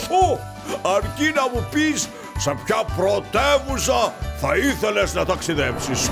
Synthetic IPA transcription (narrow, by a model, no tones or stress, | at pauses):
u | ɐɾcinɐmupis | sepçɐpɾot̪evusɐθɐiθeleznɐt̪ɐksiðepsis